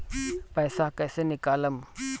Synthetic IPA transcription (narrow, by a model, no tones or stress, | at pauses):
pəːsakɐːsenɪkaːləm